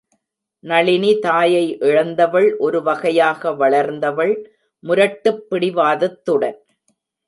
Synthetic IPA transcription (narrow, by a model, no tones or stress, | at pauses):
nɐɭɪnit̪aːjɐɪʔɛɻɐnd̪ɐʋɐɭʔɔɾɯʋɐɣɐjaːɣɐʋɐɭɐɾnd̪ɐʋɐɭ | mʊɾɐʈːɯpːɪɽɪʋaːðɐt̪ːɯɽɐ̰n